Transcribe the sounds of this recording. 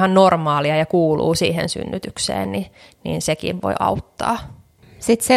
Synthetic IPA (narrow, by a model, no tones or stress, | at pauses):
hɑnnormɑːliɑjɑkuːlṵːsiːɦḛnsy̰nːyt̪yksḛːnni | nḭnsekḭʋʋo̰iʔɑ̰uwt̪ːɑː | sit̪se